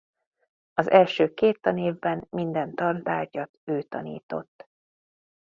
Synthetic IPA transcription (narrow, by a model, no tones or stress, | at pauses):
ɒzɛlʃøːkeːt̪ːɒneːvbɛnmind̪ɛnt̪ɒrt̪aːrcɒt̪øːt̪ɒ̰nḭːt̪o̞̰t̪ː